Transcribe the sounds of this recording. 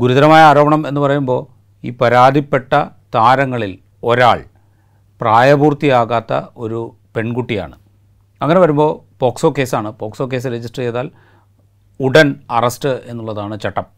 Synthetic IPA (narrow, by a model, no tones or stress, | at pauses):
ɡuɾuðɐɾɐmaːjɐaːɾo̞ːbɐɳɐme̞nːɨpɐrɐjumbo̞ː | ḭːpɐɾaːd̪ʱipːe̞ʈːɐt̪aːɾɐŋːɐɭil | o̞ɾaːɭ | praːjɐbuːrt̪ijaːɣaːt̪ːɐ̰o̞ɾu | pe̞ɳkuʈːija̰ːɳɨ | ɐŋːɐneʋɐɾumbo̞ːpoːkso̞ːke̞ːsaːɳɨpo̞ːkso̞ːk̬e̞ːs̬ɨɾed͡ʑisʈrɐt͡ɕeðaːl | uɽɐnɐrɐsʈɨe̞nːuɭːɐðaːɳɨt͡ɕeʈːɐm